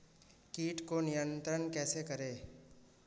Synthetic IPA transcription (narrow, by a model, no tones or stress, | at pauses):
kiːʈkonijə̃nt̪ɾənkɛːsekɐɾeː